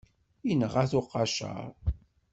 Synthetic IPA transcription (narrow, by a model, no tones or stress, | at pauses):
inəʁaθʊqːɑʃə̰ɾˤ